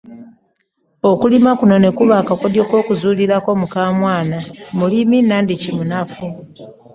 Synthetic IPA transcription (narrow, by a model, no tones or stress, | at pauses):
o̞kulimakuno̞ne̞kuβaːkakodjoko̞ːkuzuːliɾako̞mukaːmwaːnamuliminandicimunafu